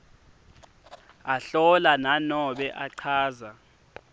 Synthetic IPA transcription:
aɬɔlananɔɓɛʔaǀʰaːza

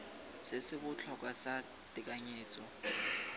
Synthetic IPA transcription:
sɪsɪbʊt͡ɬʰɔkʼwasa | tʼɪkʼaɲeːt͡sʼɔ

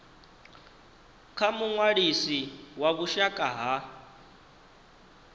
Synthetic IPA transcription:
kʰamuŋwaɺisiwaβuʃakʼaɦa

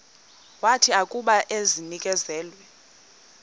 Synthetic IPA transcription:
watʰiakʼuɓaʔezinikʼɛzɛːlwɛ

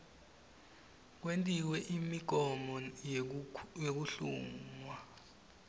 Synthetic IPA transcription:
k̬wentʼiwɛʔimiɡ̥̬ʱɔmɔ | jok̬uɬṵːŋwa

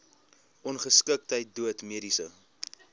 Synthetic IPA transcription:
ʔɔnχəskək̚təjt̚duətmiəɾisə

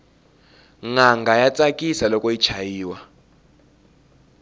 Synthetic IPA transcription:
ŋaŋɡʱajat͡sʼakʼisalɔkʼɔit͡ʃʰajiːwa

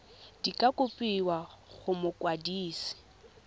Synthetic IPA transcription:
d̥ikʼakʼʊpʼiwaɣʊmʊkʼwadiːsi̥

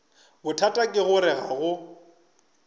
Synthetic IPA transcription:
bʊtʰatʼakʼɪɣʊɾɪɣaɣʊ

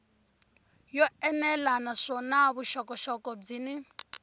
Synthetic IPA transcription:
jɔɛnɛlanaʂɔnaβuʃɔkɔʃɔkɔb͡ʐini

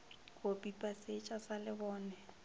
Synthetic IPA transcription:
bopʼipʼaset͡ʃʼasalɪbɔːnɛ

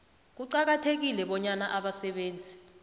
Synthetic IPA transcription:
k̬uǀak̬atʰek̬ilɛɓɔɲanaʔaɓasɛɓeːnd͡zʱi

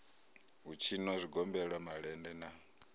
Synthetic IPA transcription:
ɦut͡ʃʰinwazʷiɡɔmbɛɺamaɺɛndɛna

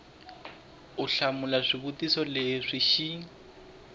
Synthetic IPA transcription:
ʊɬamʊlaʂʷibutʼisɔleʂiʃi

